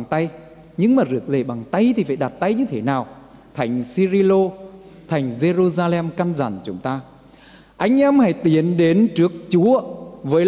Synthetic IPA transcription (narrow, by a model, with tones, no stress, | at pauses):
ŋt̪a˧j | ɲɨ˧ŋmaː˨˩zɨ˨˩ək̚le˨˧˩ɓa˨˩ŋt̪a˧jt̪ʰi˨˩fa̰ː˧˩jɗa˨˩t̚t̪a˧jɲɨ˧t̪ʰe˨˦naː˨˩w | t̪ʰa˨˩jŋ̟si˧zi˧lo˧t̪ʰa˨˩jŋ̟ze˧zu˧zaː˧lɛ˧mkaː˧nza̰ː˨˧˩nt͡ɕʊ̰˨˦ŋ͡mt̪aː˧ | ʔa˧jŋ̟ʔɛ˧mha˧˩jt̪i˨˦ənɗe˨˦nt͡ɕɨ˦˥ək̚t͡ɕu˨˦əvəː˨˦